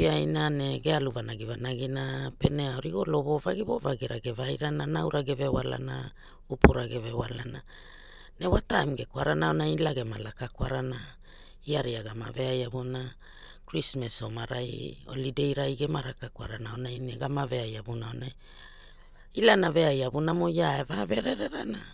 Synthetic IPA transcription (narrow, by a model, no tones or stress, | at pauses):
iajnaneɡealuvanaɡivanaɡinape̞neaoɾiɡo̞lo̞βo̞vaɡiβo̞vaɡeɾaɡevajɾananawɾaɡeve̞wala̰na̰ | upuɾaɡevewalana | ne̞watamɡe̞kwaɾanaonajlaɡe̞malakakwaɾana | iaɾiaɡama̰ve̞ajaβona | kɾismeso̞maɾajo̞̰lide̞jɾajɡemaɾakakwaɾanaonajneɡamave̞ajaβunaonaj | ilanave̞ajaβunamo̞jaevave̞ɾe̞ɾe̞ɾana